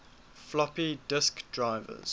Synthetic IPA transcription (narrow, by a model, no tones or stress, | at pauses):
flɔpidɪskd̥ɹaɪvə̰z̥